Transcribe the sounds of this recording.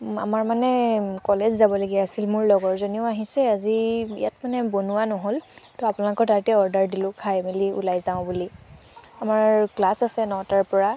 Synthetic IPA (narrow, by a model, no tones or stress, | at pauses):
a̰maɹmanɛkɔlɛzzabɔlaɡiasilmʊɹlɔɡɔɹzoniʊaɦisɛaziḭjatmanɛbonuwanɔɦoltɔapʊnalɔkɔtaɹtɛɔɹdaɹdilʊ̃kʰajmiliṵlajzaʊ̃buli | amaɹklasasɛnɔtaɹpɔɹa